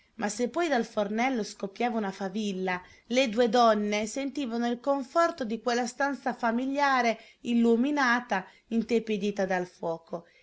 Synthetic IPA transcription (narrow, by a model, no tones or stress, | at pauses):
mʔasepːɔjd̪alfornɛlːoskopːjaːvaunafavilːa | led̪ued̪ɔnːesent̪iːvanoilkoɱfɔrt̪od̪ikwelːast̪ant̪safamiljaːɾe | ilːuminaːt̪a | int̪eped̪iːt̪ad̪alfwɔːko